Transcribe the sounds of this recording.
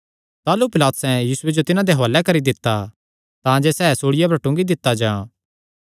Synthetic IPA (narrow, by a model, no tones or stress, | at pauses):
t̪aːlupɪlaːt̪ʊ̥sɛ̃jiːsʊwed͡ʒot̪ɪnãd̪eɦoalɛkɐɾid̪ɪt̪ːa | t̪ãːd͡ʒesɛːsoːɽɪjap̬ɐɾʈʊ̃ŋɡid̪ɪt̪ːad͡ʒãː